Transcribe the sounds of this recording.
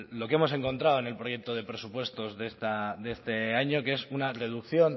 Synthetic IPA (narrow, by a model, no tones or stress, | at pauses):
lo̞keemose̞ŋko̞nt̪ɾaoene̞lpɾo̞je̞k̚t̪o̞ð̞e̞pɾe̞supwe̞st̪o̞zðe̞st̪ad̪e̞st̪e̞aɲo̞ke̞sunare̞ðukθjo̞n